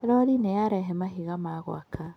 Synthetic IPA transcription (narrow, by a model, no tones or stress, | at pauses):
ɾɔɾinɛjaɾɛɦɛmaɦiɣamaːɣwa̰ka